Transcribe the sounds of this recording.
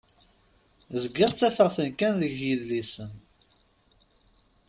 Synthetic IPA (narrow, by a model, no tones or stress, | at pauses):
zɡəʁt͡sːæfəʁθənkænðəʝjiðlisən